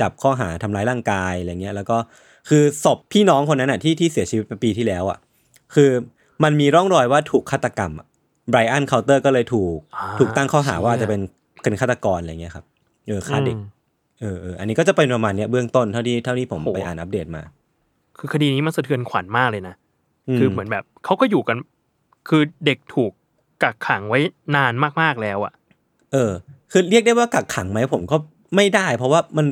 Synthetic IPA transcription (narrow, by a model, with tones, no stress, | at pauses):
t͡ɕa˨˩p̚kʰɔː˥˩ɦa̰ː˩˦t̪ʰa˧mlaː˦˥jɾaː˥˩ŋkaː˧ja˧ja˨˩ŋːi˦˥ɐ˧lɛː˦˥wkɔː˥˩ | kʰɯː˧so˨˩p̚ʰːiː˥˩nɔː˦˥ŋkʰo˧nːa˦˥nʔa˨˩t̪ʰiː˥˩t̪ʰiː˥˩si˨˩˦t͡ɕʰi˧wi˦˥t̪̚pe˧piː˧t̪ʰiː˥˩lɛː˦˥wʔa̰˨˩ | kʰɯː˧ | ma˧nmiː˧ɾɔ˥˩ŋɾɔː˧jwaː˥˩t̪ʰuː˨˩kʰaː˥˩t̪ːa˧ka˧mʔa˨˩ | bɾaː˧jʔa˥˩nkʰa˧˥wt̪ɤː˥˩kɔː˥˩lɤː˧jt̪ʰuː˨˩k̚t̪ʰuː˨˩k̚t̪a˥˩ŋkʰɔː˥˩ɦa̰ː˩˦waː˥˩˨t͡ɕa˨˩pe˧n | pe˧nkʰa˥˩t̪ːa˧kɔː˧nʔa˧jŋi˦˥ɐ˩kʰa˦˥p̚ | ʔɤː˧kʰaː˥˩de˨˩k̚ | ʔɤː˧ʔɤː˧˩ʔa̰˧nːiː˦˥kɔː˥˩t͡ɕa˨˩pe˧npɾa˧maː˧nːi˦˥ɐbɯ˥˩əŋt̪o˥˩nt̪ʰa˥˩wt̪ʰiː˥˩t̪ʰa˥˩wnʰiː˥˩pʰo˩˦mpa˧jʔa̰ː˨˩nʔa˦˥p̚deː˨˩t̪̚ma̰ː˧ | kʰɯː˧kʰa˧diː˧niː˦˥ma˧nsa˧t̪ʰɯ˧ənkʰa˩˦nmaː˥˩k̚lɤː˧jna˦˥ | ʔɯːkʰɯː˧mɯ˩˦ənbɛː˨˩p̚kʰa˦˥wkɔː˥˩juː˨˩ka˧n | kʰɯː˧de˨˩k̚t̪ʰuː˨˩kː | a˨˩kʰːa˩˦ŋwa˦˥jnaː˧nmaː˥˩k̚maː˥˩k̚lɛː˦˥wʔa̰˨˩ʔ | ʔɤː˧kʰɯː˧ɾi˥˩k̚da˥˩jwaː˥˩ka˨˩kʰːa˨˩˦ŋma˦˥jpʰo˩˦mkɔː˥˩ | ma˥˩jdaː˥˩jpʰɔ˦˥waː˥˩ma˧n